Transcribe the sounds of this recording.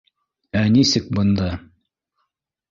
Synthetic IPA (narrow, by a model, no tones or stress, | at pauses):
ænisɘk̚bɤ̆nd̪ɑ